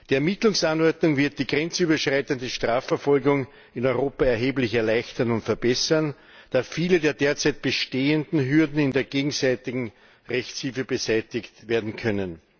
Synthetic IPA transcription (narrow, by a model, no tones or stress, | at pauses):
d̥iːɛɐmɪtlʊŋsanɔɐdnʊŋvɪɐt̚d̥iːɡʁɛnt͡syːbɐʃʁaɪtəndəʃtʁ̥aːfɛɐfɔlɡʊŋ | ɪnɔʏʁoːpaɛɐɦeːblɪçɛɐlæɪçtɐnʊntfɛɐbɛsɐn | d̥aːfiːlədeːɐdeːɐt͡sæɪt̚b̥əʃteːəndn̩ɦyɐdn̩ɪndeːɐɡeːɡŋ̩zæɪtɪɡŋ̩ | ʁɛçt͡shilfəbəzæɪtɪktveːɐdn̩kʰœnən